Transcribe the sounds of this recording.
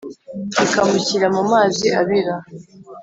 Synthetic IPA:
ikamuciɾamumaːziʔaβiɾa

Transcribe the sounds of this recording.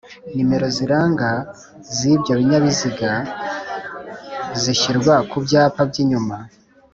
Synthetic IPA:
nime̞ɾo̞ziɾaːŋɡa | zibjoβiɲaβiziɡa | ziʃiɾɡwakubjaːpabɟiɲuma

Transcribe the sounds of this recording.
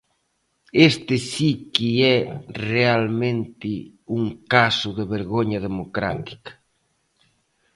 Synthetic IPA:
est̪ɪsikiɛrealmẽnt̪ɪuŋkasʊðeβeɾɣoɲɐðemokɾa̰t̪i̥kḁ

